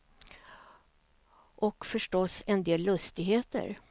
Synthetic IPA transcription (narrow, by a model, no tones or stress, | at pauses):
ʔɔkfœʂʈɔsɛnd̪eːlːɵst̪ɪɡɦeːt̪ə̰ɾ